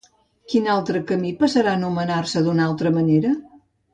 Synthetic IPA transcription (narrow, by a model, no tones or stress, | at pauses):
kinalˠt̪ɾəkəmipəsəɾanumənarsəd̪unalˠt̪ɾəməneɾə